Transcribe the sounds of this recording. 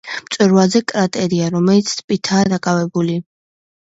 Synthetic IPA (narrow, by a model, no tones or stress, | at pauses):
mt̪sʼwɛɾwazɛkʼɾat̪ʼɛɾiaɾɔmɛlit̪sʰt̪ʰʼpʼit̪ʰaːd̪akʼavɛbuli